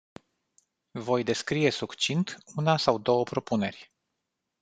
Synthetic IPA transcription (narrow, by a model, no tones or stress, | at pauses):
vo̞jd̪e̞skɾie̞sukt͡ʃint̪unasawd̪o̞wəpɾo̞pune̞rʲ